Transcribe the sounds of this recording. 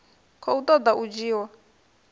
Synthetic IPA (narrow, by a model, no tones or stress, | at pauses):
kʰɔut̪ʼɔd̪aʔud͡ʒiːwa